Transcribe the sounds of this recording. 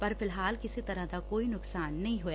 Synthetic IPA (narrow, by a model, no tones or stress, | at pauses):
pɐɾfɪlɦaːlkɪsit̪ɐɾə̃t̪akoːinʊksaːnːɐɦĩɦojaː